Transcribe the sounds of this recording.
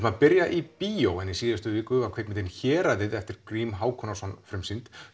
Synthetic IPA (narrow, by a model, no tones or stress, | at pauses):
maðpɪɾjaʔipiːowɛnjɪsiːðast̪ʏvɪːkʏakʰvejk̪mɪt̪ɪnçɛːɾaðɪðɛft̪ɪɾkɾiːmɦaːwkʰɔnasɔnfɾʏmsɪnt̪